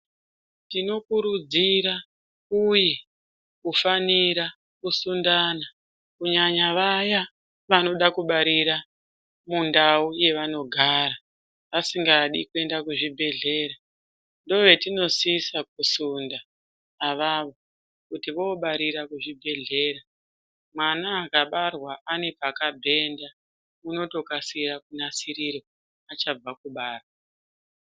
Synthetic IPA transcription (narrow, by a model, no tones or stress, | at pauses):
tino̞kuɾud͡ziɾa | uje | kufaniɾa | kusundana | kuɲaɲaʋaja | ʋano̞ɗakuɓaɾiɾa | mundauje̞ʋano̞ɡʱaɾa | ʋasiŋɡaɗikue̞ndakuʐibʱe̞ɮe̞ɾa | ndo̞ʋe̞tino̞siːsak̚usundaː | ʋaʋo̞ | kutiʋo̞ɓaɾiɾakuʐibʱe̞ɮe̞ɾa | mwanaːkaɓarwaʔane̞pakabʱe̞nda | uno̞to̞kasirakunasiɾiɾo | at͡ʃab͡vakuɓaːrwa